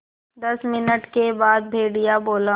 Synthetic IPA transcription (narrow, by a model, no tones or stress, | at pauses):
d̪ɐsmɪnəʈkebaːd̪̚bʱeːɽijaboːla